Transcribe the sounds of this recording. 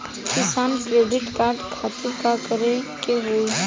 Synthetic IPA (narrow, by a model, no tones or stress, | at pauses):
kɪsaːnkɾeːɖɪʈkaːɾɖkʰat̪ɪɾkakəɾekeɦoi